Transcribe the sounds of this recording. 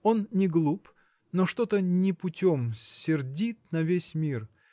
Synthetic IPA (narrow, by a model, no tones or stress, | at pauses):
o̞nnʲɪɡlˠup | noʂt̪ot̪ənʲɪpʊtʲomssʲɪrdʲit̪̚nɐvʲesʲmʲir